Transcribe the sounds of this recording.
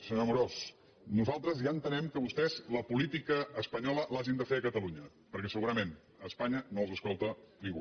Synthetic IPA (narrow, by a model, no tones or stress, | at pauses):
səɲomuɾos | nuzalˠt̪ɾəzjaənt̪ənɛmkəβust̪ɛzləpulit̪ikəːspəɲɔləlaʒind̪əfeəkət̪əluɲə | pəɾkɛsəɣuɾəmen | əspaɲənolˠzəskɔlˠt̪ənĩŋɡu